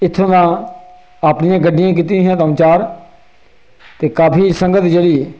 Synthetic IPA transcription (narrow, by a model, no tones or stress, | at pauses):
ɪt̪ʰːõːnãː | aːpnɪjãːɡəɖːɪjãːk̬iːt̪ĩːɦãːt̪əmt͡ʃaːɾ | t̪eːkaːpʰiːsəŋɡət̪d͡ʒeːɽiː